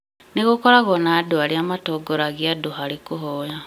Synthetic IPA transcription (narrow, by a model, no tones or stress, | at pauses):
niɣukoɾaɣonadualiamatoɡoɾaɣjaduɦaɾikuɦoja